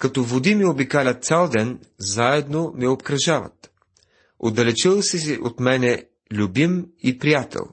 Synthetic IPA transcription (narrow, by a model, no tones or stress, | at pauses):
kɐt̪ɔvod̪imiobikalʲɐt̪̚t̪sʲalˠd̪ɛnzaɛd̪nomɛopkɾɐʒavɐ̰t̪ | o̰d̪ɐlɛt͡ʃilˠsɛsiʔot̪mɛnɛ | lʲubimipɾijat̪ɛ̰lˠ